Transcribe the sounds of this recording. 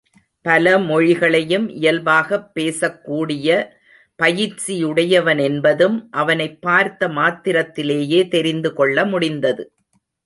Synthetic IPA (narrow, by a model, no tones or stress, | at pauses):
pɐlɐmɔɻɪɣɐɭɐjɯmʔɪ̰jɐlʋaːɣɐpːeːsɐkːuːɽɪjɐ | pɐjɪt͡ʃijʊɽɐjɐʋɐnɛnbɐðɯmʔɐʋɐnɐɪpːaːɾt̪ːɐmaːt̪ːɪɾɐt̪ːɪleːjeːt̪ɛɾɪnd̪ɯkɔɭːɐmʊɽɪnd̪ɐðɯ